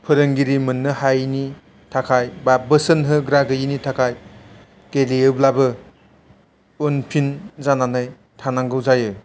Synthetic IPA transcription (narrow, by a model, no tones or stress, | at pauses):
pʰɯɾɯŋɡiɾimɯnːɯhajni | tʰakʰajbabɯsənɦɯɡɾaɡɯjinitʰakʰaj | ɡ̥eliɯblabɯ | onpʰinzananaj | tʰanaŋɡɯwzajɯ